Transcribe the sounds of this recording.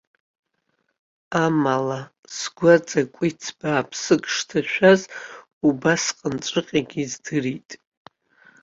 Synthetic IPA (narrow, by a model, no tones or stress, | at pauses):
amala | sɡʷad͡zʼakʷʼit͡sʰbaːpʰsɨkʼʂtʰaʃᶣaz | ubasqʼənt͡ʃʷʼɨqʲʼaɡʲizdɨritʼ